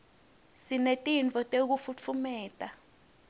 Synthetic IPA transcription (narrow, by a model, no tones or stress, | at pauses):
sinetʼint͡fʼɔtʼeuk̬ufut͡fʰumɛːtʼa